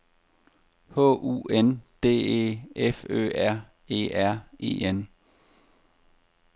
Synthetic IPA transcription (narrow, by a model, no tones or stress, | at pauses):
hɔ̰̽ːʔṵːend̥e̝̰ːe̝̰ːefø̰ːæɐ̰ | e̝̰ːæɐ̰e̝̰ːen